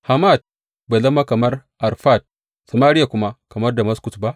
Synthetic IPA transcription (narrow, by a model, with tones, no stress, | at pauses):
ha˨ma˦˨d̚ | ba˨lɐ˦mːa˦kɐ˨mɐ˦rʔa˨rɸa˦˨d̚ | sɐ˨maː˦ɾɪ˦ja˨kʷʊ˦ma˦kɐ˨mɐ˦rda˨mɐ˦sku˨tba˦ʔ